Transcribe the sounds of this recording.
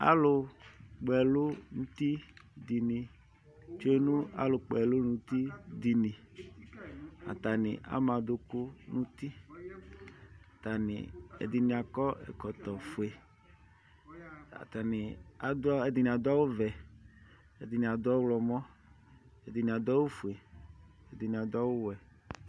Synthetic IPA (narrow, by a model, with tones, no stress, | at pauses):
a̰˦lʊ˨k͡pɛ˨lʊ˦nũ˦t̪i˦d̪i˨nĩ˨ | t͡ʃo˦e˦nũ˦a̰˦lʊ˨k͡pɛ˨lʊ˦nũ˦t̪i˦d̪i˨nĩ˨ | a̰˨t̪a˨nɪ̰˨ʔa̰˦mã˨d̪ʊ˦kʊ˦nũ˦t̪i˦ | a˨t̪a˨nɪ̰̃˨ḛ˨d̪i˨nĩ˨a˨kɔ˦ɛ̰˨kɔ˨t̪ɔ˨fu˨e˨ | a̰˨t̪a˨ni˨a˨dɛ˨d̪i˨nĩ˨a˨d̪ɔ˦wo˦vɛ˨ | e˨d̪i˨nĩ˨a˨d̪ɔ˦wlɔ˨mɔ˦ | e˨d̪i˨ni˨a˨d̪ɔ˦wu˦fu˨e˨ | e˨d̪i˨nĩ˨a˨d̪ɔ˦wʊ˦wɛ˨